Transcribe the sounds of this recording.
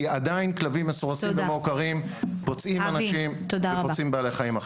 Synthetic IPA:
ad̪ainklavimːesuʁasivemeokaʁim | pot͡sʔimanaʃimt̪od̪aaot͡simbealeχajima

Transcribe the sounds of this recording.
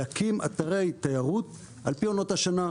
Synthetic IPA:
akima̰t̪aʁe̞jt̪ajaʁut̪ | ʔa̰lpio̞no̞thaʃana

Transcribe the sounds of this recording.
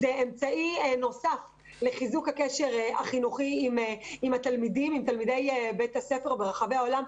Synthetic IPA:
zeemt͡saʔieno̞saf | leχizukhakeʃe̞ʁa̰χinuχiːmimat̪almidimimt̪almid̪ejebet̪hasefe̞ʁbeʁaχave̞ao̞lam

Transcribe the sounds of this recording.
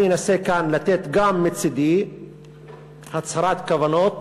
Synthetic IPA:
enasekanlat̪et̪ɡamːit͡sid̪i | hat͡shaɾat̪kavanot̪̚

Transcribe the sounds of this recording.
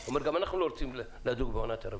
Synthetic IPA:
omeɾɡamanaχnuloɾt͡siml | lead̪uɡbeonat̪ʰaɾa

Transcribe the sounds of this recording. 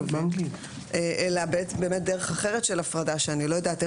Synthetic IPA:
baŋɡi | ʔeʔelabeetbe̞ːmet̚d̪eʁeχaχeʁetʃelafʁadaʃeanilojadat̪e

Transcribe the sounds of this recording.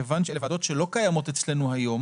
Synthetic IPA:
evanʃelevado̞tʃelo̞kajamo̞tet͡sle̞nuhajo̞m

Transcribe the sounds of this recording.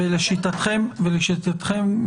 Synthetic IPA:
eleʃit̪at̪χemveleʃit̪at̪χem

